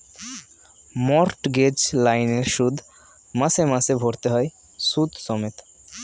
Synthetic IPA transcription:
mɔɾʈɡed͡ʒlajneɾʃud̪ʱ | masemasebʱoɽt̪eɦɔj | sut̪sɔmet̪

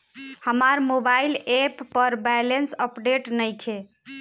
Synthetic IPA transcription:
həmaɾmobailepːəɾbɛjlensəpɖeʈnəjkʰe

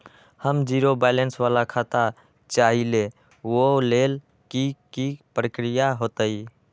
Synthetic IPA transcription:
həmd͡ʒiɾobɛlensʋaːlakʰaːt̪a | t͡ʃaːɦile | woleːl | kikipɾəkɾijaɦoːt̪əi

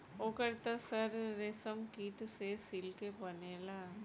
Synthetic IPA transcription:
okɐɽt̪ːɐsɐɾɾesɐmkiːʈːɨseːsilkepɐnːela

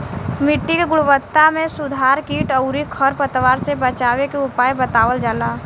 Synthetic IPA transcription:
mɪʈːikeɡʊɽʋət̪ːamẽsʊd̪ʱaːɾkiːʈəʊɾikʰəɾpət̪ʋaːɾsebət͡ʃaːʋekeʊpaːjbət̪aːwəld͡ʒəlaː

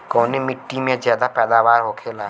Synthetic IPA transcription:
koːnimɪʈːimẽzjaːd̪apɛːd̪aʋaːɾɦoːkʰelaː

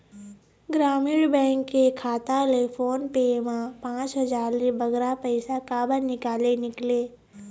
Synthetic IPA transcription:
ɡɾaːmiːɽbɛ̃ːŋkːekʰaːt̪alefʰoːnpemãpãːt͡ʃɦɐzaːɾlibɐɡɾapəɪsakaːbənnɪkaːlenɪkleː

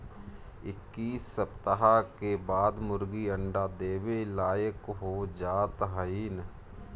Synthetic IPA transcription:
ɪkːiːsːəpt̪əɦakebaːd̪mʊɾɡiəɳɖaːd̪eːwelaːjəkɦoːd͡ʒaːt̪ɦəiːn

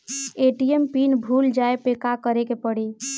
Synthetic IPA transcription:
eʈiempinbʱuld͡ʒaepekakəɾekepəɽi

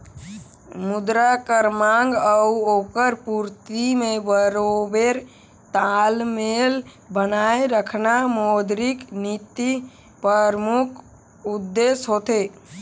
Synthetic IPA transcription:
mʊd̪ɾakəɾmãŋɡəuoːkəɾpuɾt̪imẽbəɾobeɾ | t̪almel | bənaeɾəkʰnamoːd̪ɾiknit̪i | pəɾmʊkʰ | ud̪ːesɦoːt̪e

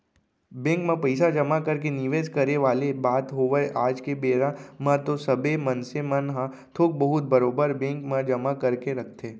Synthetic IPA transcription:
bẽːŋkmãpəɪsad͡ʒɐmakəɾk̬enɪʋeːskɐɾeʋaːlebaːt̪ɦoːʋəʔaːd͡ʒkebeːɾamãt̪osɐbemɐnsemɐnɦã | t̪ʰoːk̚bɐɦʊt̪̚bɐɾoːbəɾbẽːŋkmãd͡ʒɐmakɐɾkeɾɐkʰt̪ʰeː

